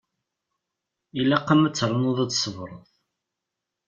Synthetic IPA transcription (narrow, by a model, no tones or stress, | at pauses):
ilːæqːamət͡sːɾˤənʊðˤæt͡sːsəvɾˤəðˤ